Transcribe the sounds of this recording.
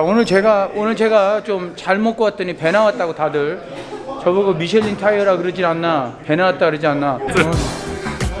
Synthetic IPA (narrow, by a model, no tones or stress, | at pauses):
onɯɭt͡ɕe̞ɡaonɯɭt͡ɕe̞ɡat͡ɕomt͡ɕaɭmot̚k͈ʌwat̚t͈ʌɲipe̞nawat̚t͈aɡotadɯɭ | t͡ɕʌbɯɡomiɕʰeʎːintʰajʌɾakɯɾɯd͡ʑinanːape̞nawat͈̚aɡɯɾɯd͡ʑianːat͡ɕon